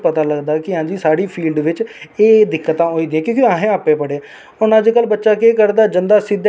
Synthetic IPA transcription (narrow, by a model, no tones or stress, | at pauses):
pət̪aːləɡd̪aːkɪɦãːd͡ʒiːsaːɽiːpʰiːlɖʋɪt͡ʃeːd̪ɪkːət̪ãːɦoːiːd̪ɪãːkjõːkaːɦẽːaːpẽːpəɽeː | ʊnaːd͡ʒeːkəlbətːʃaːkeːkəɾd̪aːd͡ʒənd̪aːsɪd̪